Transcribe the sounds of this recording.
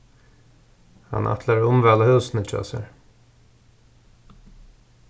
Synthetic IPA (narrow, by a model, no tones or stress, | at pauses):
hɑ̰nʔɑ̰t̪ʰləɹʊmʋɛləhʉːsn̩ət͡ʃʰɔ̰ːsə̰ɹ